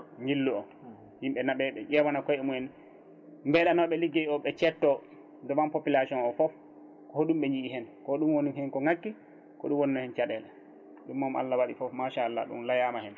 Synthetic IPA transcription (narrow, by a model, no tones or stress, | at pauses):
ɲilːuɔ | himɓɛnaɓɛɓɛʄɛwanakɔjɛmuɛn | mbɛɗanɔɓɛliɡeiɔɓɛt͡ʃɛtːɔ | dɔmampopilasɔnɔfɔf | kɔhoɗumɓɛɲd͡ʒiihɛnkɔɗumwonimhɛnkɔŋakːi | kɔ̰ɗumwoninɔhɛnt͡ʃaɗɛlɛ | ɗumːama̰lːawaɗifɔfmaʃaːlːa̰ɗṵmlajaːmahɛn